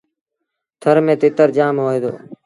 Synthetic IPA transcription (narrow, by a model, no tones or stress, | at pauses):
t̪ʰəɾmẽːt̪eːt̪əɾd͡ʒaːmɦoːeːd̪o̰ː